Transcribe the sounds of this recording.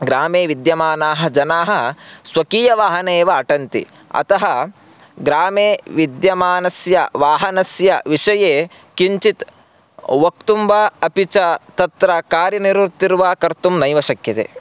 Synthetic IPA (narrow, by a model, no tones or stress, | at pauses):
ɡɾaːmeːʋid̪jɐmaːnaːɦɐ̆d͡ʒɐnaːɦɐ̆sʋɐkiːjɐʋaːɦɐneːʋɐːʈɐnt̪ḭ | ɐ̰t̪ɐɦɐ | ɡɾaːmeːʋid̪jɐmaːnɐsjɐʋaːɦɐnɐsjɐʋiʂɐjeː | kiɲt͡ʃit̪ | ʋɐk̚t̪umbɐɐpit͡ʃɐt̪ɐt̪ɾɐkaːɾjɐniɾʋuɾt̪iɾuʋaːkɐɾt̪umnɐjʋɐʃɐkjɐt̪ḛ